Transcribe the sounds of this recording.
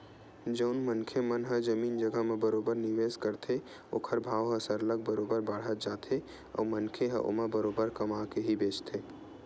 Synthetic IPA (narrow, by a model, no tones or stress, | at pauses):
d͡ʒəʊnmənkʰemənɦəd͡ʒəmiːnd͡ʒəɡəmebəɾobəɾniʋeskəɾt̪ʰe | o̰ːkʰəɾbʱaːʋɦə̃səɾləɡ̚bəɾoːbəɾbəɽ̤ət̪̚d͡ʒaːt̪ʰe | ɔ̰wmənkʰeɦə̰ʔo̰mebəɾoːbəɾkəmakeɦibeːt͡ʃt̪ʰe